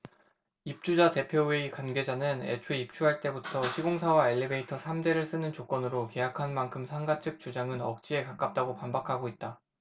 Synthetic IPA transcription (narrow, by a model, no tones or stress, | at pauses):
ip̚t͡ɕ͈ud͡ʑate̞pʰjowe̞ikwanɡe̞d͡ʑanɯnḛt͡ɕʰueip̚t͡ɕ͈ʰuɦaɭt͈e̞butʰʌɕʰiɡoŋsʰawaeʎːibe̞itʰʌsʰamde̞ɾɯɭs͈ɯnɯnt͡ɕok͈ʌnɯɾoke̞jakʰanmankʰɯmsʰaŋɡat͡ɕʰɯk̚t͡ɕ͈ud͡ʑaŋɯnʌk̚t͡ɕ͈ie̞kak͈ap̚t͈aɡopambakʰaɡoit̚t͈a